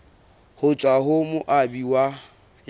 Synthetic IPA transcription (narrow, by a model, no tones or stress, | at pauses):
hʊt͡ʃʼwaɦʊmʊʔabiwa